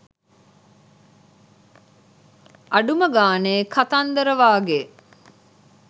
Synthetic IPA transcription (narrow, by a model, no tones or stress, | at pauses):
ɐɖuməɡaːneːkat̪and̪əɾəʋaːɡe